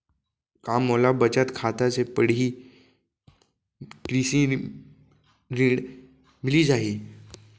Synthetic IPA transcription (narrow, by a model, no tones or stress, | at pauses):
kamːolabət͡ɕət̪kʰat̪at͡sepəɽ̤iː | kɾisĩ | ɾiɽ | milid͡zaɦiː